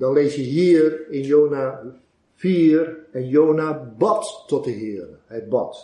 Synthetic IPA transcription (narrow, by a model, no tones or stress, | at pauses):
dɑnlejsjəɦiːrɪnjoːna | fiːrɛnjownabɑtːɔtəɦɪːrəɦəd̚bɑ̰t